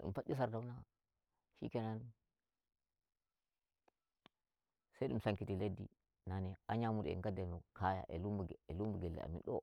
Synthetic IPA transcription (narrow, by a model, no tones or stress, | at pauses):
ḭmpaɗis̬aɾdawna | ʃḭkenan | sedṵmsaŋkitiledːḭ | naneaɲamud̰ŋɡademukaja̰ʔḛlumelumbuɡelːḛa̰mḭnɗo̰